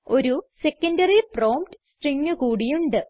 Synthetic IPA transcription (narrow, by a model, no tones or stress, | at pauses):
o̞ɾusekːɐndɐriproːmpʈɨ̥sʈriŋːɨkuːɽijuɳɖɨ